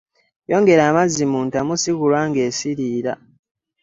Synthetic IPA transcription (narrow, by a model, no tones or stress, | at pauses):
jo̞ːŋɡe̞ɾaːmazimuːntamusiɣulwaːŋɡe̞ːsiɾiːɾa̰